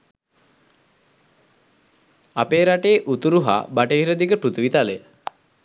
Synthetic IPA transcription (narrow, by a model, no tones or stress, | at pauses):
apeːɾaʈeːʔut̪uɾuɦa̰baʈəɦiɾəd̪ikəpɾut̪uʋit̪ale